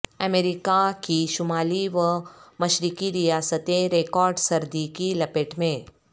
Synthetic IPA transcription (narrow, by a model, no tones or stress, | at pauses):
ɐmeːɾikakiʃʊmaːliʋəmɐʃɾikiɾijaːsət̪ẽɾeːkɔːɾɖsɐɾd̪ikilɐpeʈmẽː